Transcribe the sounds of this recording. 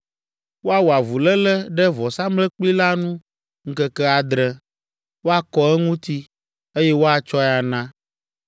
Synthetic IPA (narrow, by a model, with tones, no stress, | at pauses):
wo˦a˦wu˨a˨vu˨lɛ˦lɛ˦ɖɛ˦vɔ˨sã˦mlɛ˦k͡pli˦la˦nũ˦ | ŋ̩˦kɛ˦kɛ˦a˨d̪ɾɛ˨ | wo˦a˦kɔ˦ɛ˦ŋũ˦t̪i˦ | e˦jɛ˦wo˦a˨t͡ʃɔ˦ɛ˨a˨nã˦